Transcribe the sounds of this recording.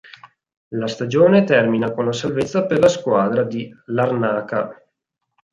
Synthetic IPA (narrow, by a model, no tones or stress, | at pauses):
last̪ad͡ʒoːnet̪ɛrminakonlasalvet̪sːaperlaskwaːd̪ɾad̪ilarnaːka